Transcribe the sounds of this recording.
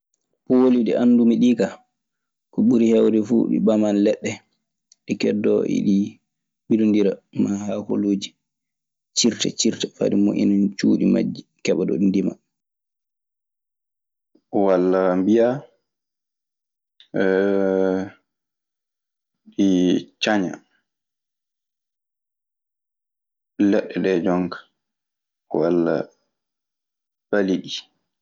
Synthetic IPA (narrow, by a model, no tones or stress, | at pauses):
poliɗiʔanːdumiɗika | kɔɓuɾihɛwdɛfṵɗḭɓamanlɛɗːɛ | ɗikɛdːɔʔḭɗi | ɓilundiɾamahaho̰loːd͡ʒi | t͡ʃiɾtɛt͡ʃiɾtɛfa̰dimoʔḭnant͡ʃuːɗima̰d͡ʒːikɛɓaɗɔ̰ɗindima̰ | walːambija | ɗit͡ʃaɲa̰ | lɛɗːɛɗɛd͡ʒɔŋkḁ | walːa̰ | faliɗi